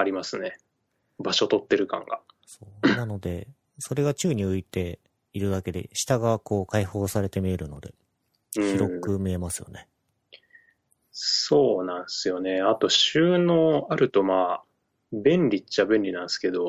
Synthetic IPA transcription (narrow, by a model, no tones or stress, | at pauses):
aɾʲimasɨne̞ | baɕo̞t̪o̞t̪ːe̞ɾɯ̟kã̰ŋɡasoːnano̞d̪e̞ | so̞ɾe̞ɡat͡ɕɨːɲ̟iɯ̟it̪e̞ | iɾɯ̟d̪ake̞d̪e̞̰ɕi̥t̪aɡako̞ːkaiho̞ːsaɾe̞t̪e̞mʲie̞ɾɯ̟no̞d̪e̞̰ | ɯ̃çiɾo̞kɯ̟mʲie̞masɨjo̞̰ne̞ | so̞ːnãɰ̃sɨjo̞ne̞at̪o̞ɕɨːno̞ːaɾɯ̟t̪o̞maː | bẽ̞nɾʲit͡ɕabẽ̞nɾʲinãɰ̃sɨ̥ke̞d̪o̞